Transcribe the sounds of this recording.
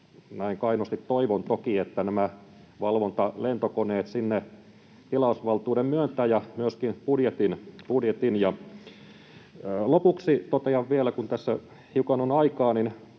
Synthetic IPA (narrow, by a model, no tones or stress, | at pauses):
næiŋkɑinost̪it̪toiʋont̪okiet̪ːænæmæ | ʋɑlʋont̪ɑlent̪okoneːt̪sinːe | t̪ilɑusʋɑlt̪uːdemmyønt̪æːjɑmyøskinpudjet̪inpudjet̪injɑ | lopuksit̪ot̪eɑʋʋielækunt̪æsːæ | hiukɑnonɑikɑːnin